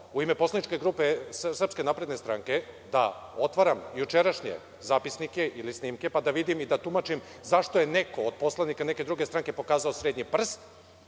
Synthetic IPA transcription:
uimeposlˠanit͡ʃke̞ɡɾupessr̩pske̞napɾed̪nest̪ɾaŋke̞d̪a̰ot̪ʋaɾamjut͡ʃeɾaʃɲḛ | zaːpisnike̞ʔilisniːmke̞pad̪aʋid̪imid̪at̪umat͡ʃimzaʃt̪o̞jeneko̞ːd̪̚po̞slˠanikane̞ke̞d̪ɾuɡe̞st̪ɾaŋke̞po̞kaːzaosɾeːd̪ɲipr̩st̪

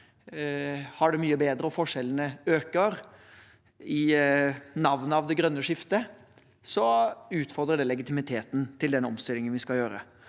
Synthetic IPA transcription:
hɑɖɛmyːəbeːd̪ɾəɔfɔʂɛlənəøːkəɾ | ɪ | nɑʋnəɑʋd̪ɛɡɾœnːəʂɪft̪ə | sɔʉːt̪fɔʁd̪ɾəɖɛlɛɡɪt̪ɪmɪt̪ʰeːt̪n̩t̪ʰɪld̪ɛnɔmst̪ɪlɪŋənʋɪskɑljøːɾə̰

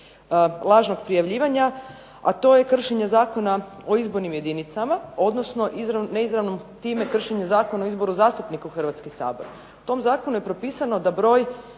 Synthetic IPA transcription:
lˠaːʒno̞ɡpɾijaʋʎiːʋaɲa | a̰t̪o̞je̞kr̩ʃeɲezaːko̞nao̞izbo̞ɾnimje̞d̪init̪samao̞d̪no̞sno̞ʔizɾaneizɾaʋno̞mt̪iːme̞kr̩ʃeɲezaːko̞naoizbo̞ɾuzaːst̪upnikuxr̩ʋat̪skisa̰ːboɾ | ut̪o̞mzaːkonuje̞pɾopiːsano̞d̪abɾo̞ːj

